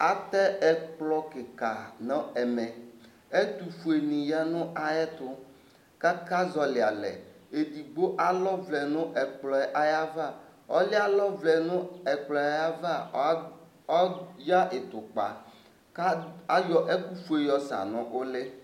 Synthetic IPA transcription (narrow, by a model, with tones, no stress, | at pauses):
a˦t̪ɛ˦ɛ˦k͡plɔ˦kɪ˨ka˨nɔ̃˦ɛ˨mɛ̃˨ | e˦t̪u˨fu˨e˨nĩ˨ja˦nʊ̃˦ʔa˨ɛ˦t̪ʊ˦ | ka˦ka˦zɔ˨lɪ˨a˨lɛ̰˨e˨d̪i˨ɡ͡bo˦ʔa˦lɔ˦vlɛ˨nʊ̃˦ʔɛ˨k͡plɔ˨ɛ˦ʔa˦ja˦va˦˨ɔ̰˦lɪ˦a˦lɔ˦vlɛ˨nʊ̃˦ɛ˨k͡plɔ˨a˨ja˦va˦ | ɔ˦ja˦ʔe˨t̪ʊ˨k͡pa̰˨ | ka˦a˦jɔ˦ʔe˦ku˦fu˦e˨jɔ˦sa̰˨nɔ̃˦ʔo˦le˦